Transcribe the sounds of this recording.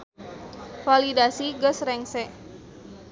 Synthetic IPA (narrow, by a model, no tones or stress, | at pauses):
falidasiɡəsrɛŋsɛʔ